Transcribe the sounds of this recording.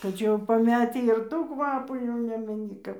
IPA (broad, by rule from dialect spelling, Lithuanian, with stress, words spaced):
tɐɪ ˈt͡ʃʲɛ jɛʊ pɐˈmʲæːtʲiː ɪr ˈtuː ˈkʋɑːpuː jɛʊ ˈnʲæːmʲɛnʲɪ ˈkɐp